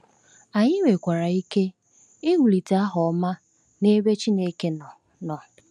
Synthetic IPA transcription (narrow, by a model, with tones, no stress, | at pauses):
a˨ɲɪ˦we˨kʷa˨ɾa˨i˦ke˦ | e˦ŋu˨li˨ta˦ɦɔ˨˦ma˦ | ne˦be˦t͡ʃi˦ne˦ke˦nɔ˨ | nɔ˨